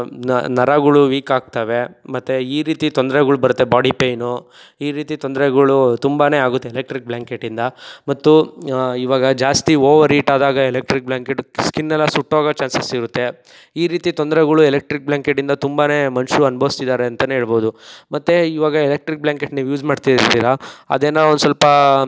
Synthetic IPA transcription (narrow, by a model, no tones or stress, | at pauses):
nɐɾaɡɐɭuʋiːkaːɡ̚t̪aːʋe̞mɐt̪ːeiːɾiːt̪it̪ond̪ɐɾɛɡɐɭubɐɾut̪ːe̞baːɖipejnu | iːɾiːt̪it̪ond̪ɐɾɛɡɐɭut̪umbane̞ːaːɡut̪ːeːlek̚ʈɾik̚bljaːŋkeʈːind̪ɐmɐt̪ːuiʋaːɡɐd͡ʒaːst̪ioːʋɐɾiːʈaːd̪aːɡɐelek̚ʈɾik̚blaːŋkeʈskinːɛlːɐsuʈːʋaːɡɐt͡ʃaːnsɐsiɾut̪ːe̞ | iːɾiːt̪it̪ɔnd̪ɐɾɛɡɐɭuelek̚ʈɾik̚blaːŋkeʈ̬ːind̪ɐt̪umbane̞ːmɐnʃuɐnbɐʋst̪id̪aːɾeɐnt̪ɐneɦeːɭboːd̪umɐt̪ːeiʋaːɡɐelek̚ʈɾik̚bljaːŋkeʈniːʋujuːd͡ʒmaːɽt̪iiɾt̪iːɾɐɐ̰d̪eːnaːond̪usɐlpɐ